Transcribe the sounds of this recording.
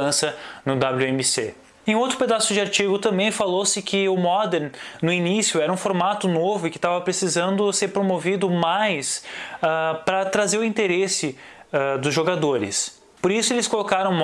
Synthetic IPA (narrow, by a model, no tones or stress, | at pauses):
ɐ̃sɐnʊd̪ablʲuemɪsḛ | ẽowt̪ɾʊped̪asʊd͡ʒɪaɾt͡ʃiɡʊt̪ɐ̃mbẽj̃falowsɪkʰɪʊmɔd̪eɾnʊinisjʊɛɾɐũfoɾmat̪ʊnovʊɪkɪ̥t̪avɐpɾesizɐ̃nd̪ʊseɾpɾomovid̪ʊmajsapɾɐt̪ɾazeɾʊĩnt̪eɾesɪ | ad̪ʊzʒoɡad̪oɾɪ̰s | poɾisʊelɪskolokaɾɐ̃w̃m